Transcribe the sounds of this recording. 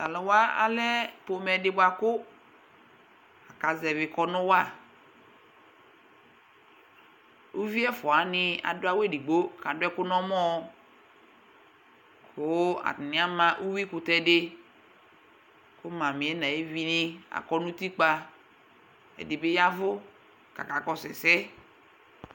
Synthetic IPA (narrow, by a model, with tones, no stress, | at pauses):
a˨lɔ˨wa˦a̰˨lɛ˦po˨mɛ˨dɪ˦bwa˨kʊ˦ | a˨ka˨zɛ˨vɪ˨kɔ˨nʊ̃˦wa˦˨ | u˦vi˦ɛ˦fɔ˨a˨nɪ˦a̰˨dʊ˦a˦we˦˨di˨ɡ͡bo˦ka˨dʊ˦ɛ˦kʊ˦nɔ̃˦mɔ̃˦ | kʰʊ˦a̰˨tnɪ̃˨˦a˦mã˦ʔu˦wi˦kʊ˨tɛ˦dɪ˦ | kʊ˦mã˨mɪ̃˨ɛ˦nã˨e˦vi˦nɪ̃˦a̰˨kɔ˦nʊ̃˦t̪i˦k͡pa˦ | ɛ̰˨dɪ˨be˦ja˦vʊ˦ | ka̰˨ka˨kɔ˦sɛ˨sɛ˦